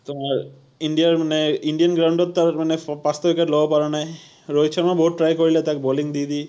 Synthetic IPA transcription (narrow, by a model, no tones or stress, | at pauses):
t̪omaɾ | iɳɖiaɾmaneiɳɖijanɡɾawɳɖot̪ːaɾmanepast̪obikaʈlobopaɾanaj | ɾojt͡ɕʰɔɾmaboɦuʈʈːɾajkoɾilet̪akeboliŋd̪id̪i